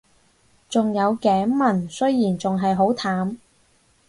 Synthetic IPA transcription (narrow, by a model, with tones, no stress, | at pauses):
t͡sʊ˨ŋjɐ˨˧wkɛː˨˥ŋmɐ˨˩nsɵ˥ɥjiː˨˩nt͡sʊ˨ŋɦɐ˨jɦo˨˥wt̪ʰaː˨˥m